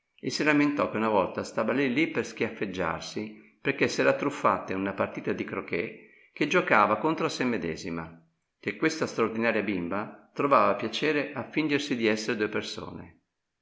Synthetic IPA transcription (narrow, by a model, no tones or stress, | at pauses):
esːilament̪ɔkːeunavɔlt̪ast̪aːvalijlipersk̟jafːed͡ʒːa̰rsi | perk̟esːɛːɾat̪ːɾufːa̰t̪ːeunapart̪iːt̪ad̪ikɾokɛ | k̟ed͡ʒokaːvakont̪ɾoasemːed̪ɛ̰ːzima | kekːwest̪ast̪ɾaord̪inaːɾjabimbat̪ɾovaːvapjat͡ʃɛːɾeʔafːind͡ʒersid̪iɛsːeɾed̪ueperso̰ːnḛ